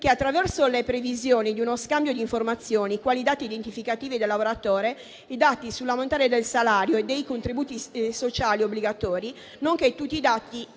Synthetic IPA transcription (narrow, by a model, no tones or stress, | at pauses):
keat̪ːɾavɛrsolepɾevizjoːnid̪iunoskambjod̪iɱformat̪sːjoːnikwaːlid̪aːt̪iːd̪ent̪ifikat̪iːvid̪elːavoɾat̪oːɾe | id̪at̪isulːamont̪anead̪elsalaːɾjoed̪ːejkont̪ɾibuːt̪isot͡ʃaːliobːliɡat̪ɔːɾi | noŋket̪ːut̪ːiːd̪at̪ːi